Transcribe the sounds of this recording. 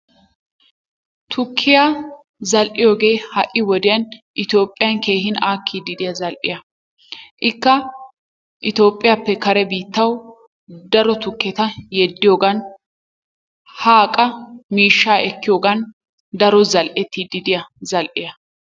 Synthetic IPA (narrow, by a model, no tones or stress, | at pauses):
t̪ʰʊkʰːɪja | zɐlʔɪjoːɡe̞ːhɐʔːɪwɔd̪ɪjɐnʔɪt̪jo̞ːpʼːɪjɐnke̞ːhɪnaːkʰːid̪ɪd̪ɪjɐzɐlʔɪ̰jɐ | ʔɪkːɐ | ʔɪt̪o̞ːpʼːɪjapːɛkɐɾɛbiːt̪ːɐw | d̪ɐɾɔt̪ʊkːɛt̪ɐjɛd̪ːɪjo̞ːɡɐn | haːkʼɐmiːʃːaːʔɛkːɪjo̞ːɡɐn | d̪ɐɾɔzɐlʔɛt̪ːid̪ɪd̪ɪjɐzɐlʔɪjɐ